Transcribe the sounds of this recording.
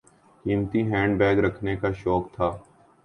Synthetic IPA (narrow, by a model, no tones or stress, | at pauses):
kiːmt̪iɦɛ̃ːɳɖbɛːɡɾəkʰnekaʃɔːkt̪ʰaː